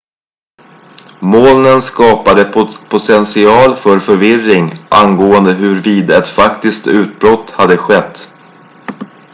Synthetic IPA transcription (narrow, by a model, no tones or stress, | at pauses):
moːlnənskɑːpad̪əpʰʊt̪ʰɛnsɪɑːlfœɾfœɾvɪrːɪŋʔa̰nɡoːənd̪əɦɵɾviːd̪ɛt̪fakt̪ɪskt̪ʉ̟ːt̪̚bɾɔt̪had̪ːəɧɛt̪ː